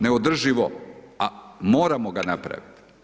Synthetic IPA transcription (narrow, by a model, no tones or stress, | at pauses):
ne̞od̪r̩ʒiʋoamoːɾamoɡanapɾa̰ʋit̪i̥